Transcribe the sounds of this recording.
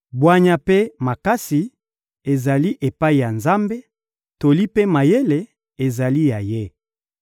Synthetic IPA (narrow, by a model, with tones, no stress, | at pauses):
bwa˦ɲa˦pe˦ma˨ka˦si˨ | e˨za˨li˦ʔe˨pa˦i˨ja˨nza˦mbe˦ | to˨li˦pe˦ma˨je˦le˨ | e˨za˨li˦ja˨je˦